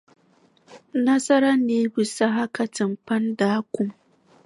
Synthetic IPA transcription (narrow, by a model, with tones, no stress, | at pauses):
nɐ˦sɐ˦ɾɐ˦nːeː˦bu˨sa˦ɦa˦ka˨tɪ˨mpɐ˦ndaː˦kʷʊ˦m